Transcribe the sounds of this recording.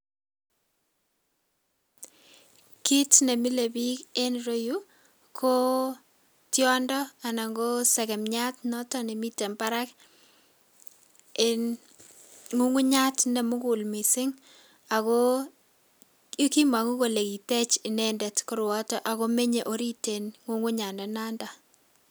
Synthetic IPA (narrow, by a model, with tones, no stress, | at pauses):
ki˦tne˨mi˦le˨bi˦ke˦nɾo˦ju˦ | kʰo˦ | tjɔ˦ndɔ˦a˨na˨ŋɡo˦sɛ˨kɛ˨mɲa˦tnɔ˦tɔ˦ne˨mi˦tɛ˨mpa˦ɾa˦k | ɪn | ŋu˦ŋu˦ɲa˦tne˨mʊ˦kʊ˨lmi˨sɪ˦ŋ | a˨ko˦ | i˦ki˦ma˨ŋu˦ko˨le˨ki˨te˦t͡ʃɪ˨nɛndɛ˨tkʊ˦ɾwɔ˦tɔ˦ʔa˨ko˦me˦ɲe˨ʔo˦ɾi˦te˨nŋu˦ŋu˦ɲa˨ndɔ˨na˦nda˨